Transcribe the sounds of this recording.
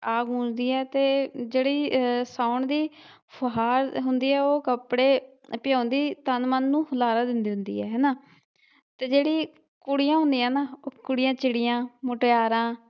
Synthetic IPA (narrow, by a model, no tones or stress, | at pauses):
aːɡũːd͡ʒd̪iːɛːt̪eːd͡ʒeːɽiːsaːʊɳd̪iː | pʰɦaːɾɦʊnd̪iːɛːoːkəpɽeː | pɪjãːnd̪iːt̪ənmənːũːhəlaːɾaːd̪ɪnd̪iːɦʊ̃nd̪ḭːɦɛːɦɛːnaː | t̪eːd͡ʒeːɽiː | kʊɽijãːɦʊ̃nd̪iːãːnaːokʊɽijãːt͡ʃɪɽijãːmʊʈejaːɾãː